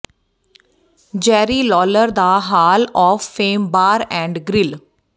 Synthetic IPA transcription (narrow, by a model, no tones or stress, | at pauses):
d͡ʒɛːɾiːlɔːləɾd̪aːɦaːlɔːfːeːmbaːɾɛ̃ːɳɖɡɾɪl